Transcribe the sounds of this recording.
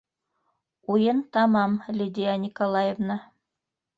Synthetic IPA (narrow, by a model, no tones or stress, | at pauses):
ujɤnt̪ɑmɑmlʲid̪ʲɪjanʲɪkolˠɑjevnɑ